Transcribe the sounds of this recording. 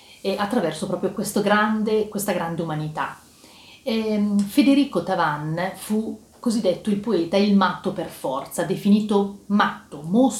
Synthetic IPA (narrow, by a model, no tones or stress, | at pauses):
ɛʔat̪ːɾavɛrsopɾɔːpɾjokwest̪oɡɾand̪ekwest̪aɡɾand̪eumanit̪a | ɛfed̪eɾiːkot̪avanfu | kːozid̪ːet̪ːoilpoeːt̪ailmat̪ːoperfɔrt̪sad̪efiniːt̪omat̪ːomos